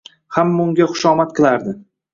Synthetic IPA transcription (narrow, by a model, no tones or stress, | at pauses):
hamːaʊŋɡʲaχʊ̥ʃɒmat̪̚qʰɨlˠaɾd̪ɪ